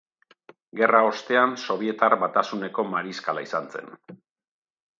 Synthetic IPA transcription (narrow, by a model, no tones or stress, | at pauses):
ɡe̞rao̞st̪e̞anso̞β̞ie̞t̪arβat̪asune̞ko̞maɾiskalaisant͡se̞̰n